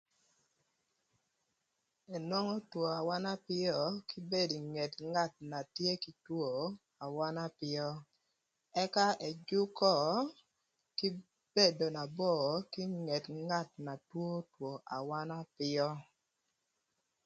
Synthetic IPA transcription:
ɛ˨nwɔ˦ŋɔ˦two˨a˨wa˦na˦pɪ˦ɔ˦kɪ˦be˦˨di˨ŋɛ˨tŋa˦˨t̚na˨tje˦ki˦two˦˨ | a˨wa˦na˦pɪ˦ɔ˦ | ɛ˦ka˦ɛ˨d͡ʒʊ˦kɔ˦˨ | ki˦ | be˦˨do˨na˨bɔ˦˨kɪ˦ŋɛ˨tŋa˦˨t̚na˨two˦two˨ʔa˨wa˦na˦pɪ˦ɔ˦

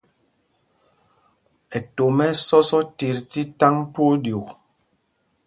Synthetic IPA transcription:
ɛ˨to˨mɛ˦sɔ˦sɔ˦ti˨ɾti˦ta˦ŋtwo˦dju˨k

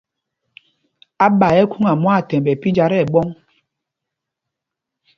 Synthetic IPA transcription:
a˦ɓa˨ɛ˦ku˦ŋa˨mwa˦˨tɛ˨m˨bɛ˨pi˦d͡ʒa˨ɾɛ˦˨ɓɔ˦ŋ

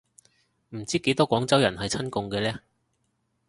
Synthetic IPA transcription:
m̩˨˩t͡siː˥ke˨˥jt̪ɔː˥kʷɔː˨˥ŋt͡sɐ˥wjɐ˨˩nɦɐ˨jt͡sʰɐ˥nkʊ˧ŋkɛː˧lɛː˥

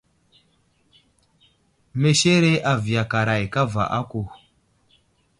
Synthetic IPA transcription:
me˨ʃe˦ɾe˦ʔa˨vi˨ja˨ka˨ɾa˨jka˦va̰˨ʔa̰˦ku˨

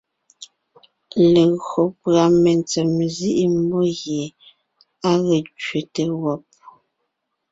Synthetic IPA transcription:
le˨ɣɰo˨pɰa˨me˨nt͡sɛ˨mzi˦ʔi˦m˦bo˦ɣje˨ | a˦ɣə˨t͡ʃɥe˨te˨wɔ˦˨p̚

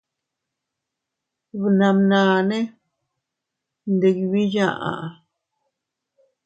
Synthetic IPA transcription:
βna˨mnãː˨ne˦ | nd̪e˨ki˧βi˦ja˦˨ʔa̰˨ʔa˨

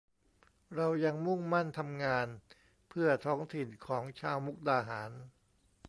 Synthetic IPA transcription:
ɾa˧wja˧ŋmu˥˩ŋma˥˩nt̪ʰa˧mŋaː˧n | pʰɯ˥˩ɐt̪ʰɔː˦˥ŋt̪ʰi˨˩nkʰɔː˩˦ŋt͡ɕʰaː˧wmu˦˥k̚daː˧ɦaː˩˦n

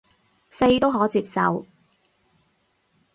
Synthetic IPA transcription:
se˧jt̪o˥wɦɔː˨˥t͡siː˧p̚sɐ̰˨w

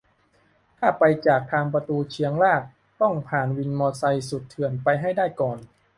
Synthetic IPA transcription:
t̪ʰaː˥˩pa˧jt͡ɕaː˨˩k̚t̪ʰaː˧ŋpa˧t̪uː˧t͡ɕʰi˧əŋlaː˥˩k̚ | t̪ɔ˥˩ŋpʰaː˨˩nwi˧nmɔː˧sa˧jsu˨˩t̪ʰːɯ˨˩ənpa˧jɦa˥˩jdaː˥˩jkɔː˨˩n

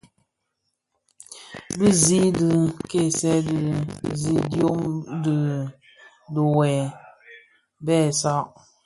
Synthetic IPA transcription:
bə˦zi˦dɨ˨ke˦˨sɛ˦dzi˨djo˦ŋdə˨ | do˨wɛ˨ | bɛː˦˨sa˦ʔ

